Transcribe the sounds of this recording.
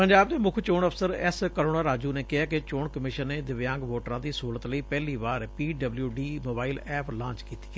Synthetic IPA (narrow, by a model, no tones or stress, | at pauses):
pəɲd͡ʒaːbd̪eːmʊkʰt͡ʃoːɳəpʰsəɾɛ̰skəɾoːɽaːɾaːd͡ʒuːneːkɪɦaːkɪt͡ʃoːɳkəmɪʃənːeːd̪ɪʋjãːŋɡʋoːʈɾãːd̪iːsɦuːlət̪ləiːpɛːliːʋaːɾpiːɖəbljuːɖiːmoːbaːilɛːpʰlãːɲt͡ʃkiːt̪i̥ː